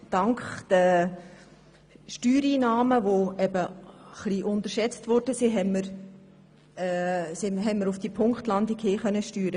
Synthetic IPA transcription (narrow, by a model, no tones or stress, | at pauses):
d̥ɑŋkχd̥ə | ʃtyːɾiːnɑːməʋoɛbəχliʔʊntəʃɛt͡stvɔɾd̥əsiɦɛmːəɾ | sɪɦɛməɾufd̥ipʰʊŋkχtlɑndikheːχœnːəʃtyːɾə